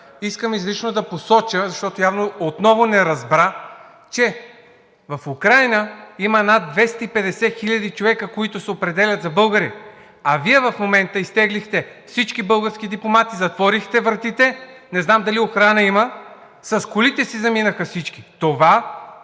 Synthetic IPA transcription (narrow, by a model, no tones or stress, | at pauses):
iskəmizlit͡ʃnod̪ɐposɔt͡ʃəzɐʃt̪ɔt̪ojavnoot̪nɔvonɛɾɐzbɾa | t͡ʃɛ | vɐfukɾajnəimənad̪̚d̪vɛst̪əipɛd̪ɛsɛxilʲɐd̪it͡ʃovɛkəkoit̪ʊsɛopɾɛd̪ɛlʲɐt̪zɐbɤlˠɡəɾi | ɐviɛvɐfmomɛnt̪əist̪ɛɡlixt̪ɛfsit͡ʃkibɤlˠɡəɾsk̟id̪iplˠomat̪izɐt̪vɔɾixt̪ɛvɾɐt̪it̪ɛnɛznamd̪ɐlioxɾanəimə | sɐskʊlit̪ɛsizɐminəxəfsit͡ʃki̥t̪ova